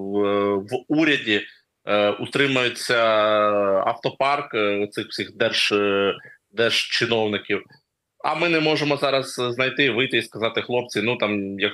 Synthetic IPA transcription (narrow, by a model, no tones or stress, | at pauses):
ʋuɾʲɐdʲi | ut̪ɾɪmɐjet͡sʲːɐ | ɐ̰ft̪ɔpɑrkɔt̪sɪxw̥sʲixd̪ɛrʒ̥ | d̪ɛrʒ̥t͡ʃɪnɔwnɪkʲiw | ɐ̰mɪnɛmɔʒemɔzɑɾɐzznɐjt̪ɪʋɪjt̪ɪiskɐzɑt̪ɪxlˠɔp̚t͡sʲinut̪ɑmjɐk